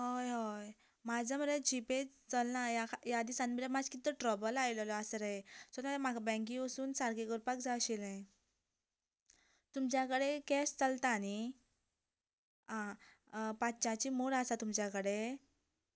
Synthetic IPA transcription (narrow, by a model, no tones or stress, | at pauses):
ɦojɦoj | mad͡zʱaməɾed͡ʑipe | t͡səlnajakjad̪isãnməɾemad͡zkit̪əʈɾɔbəlajlɔlasɾəesɔt̪memaɡabə̃k̬ĩəsuːnsaɾɡeɡəɾpakd͡zaɕilẽ | t̪umt͡ɕjakəɽekɛst͡səlt̪ani | ɦã | pat͡ɕãt͡ɕimoɽasat̪umt͡ɕjakəɽe